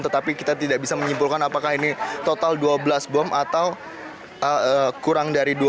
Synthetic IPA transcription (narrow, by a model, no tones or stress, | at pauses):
nt̪ət̪apikit̪at̪idaʔbisaməɲimpulkanapakahinit̪ot̪alduabəlasbɔmat̪aw | ʔəəkuɾaŋdaɾidu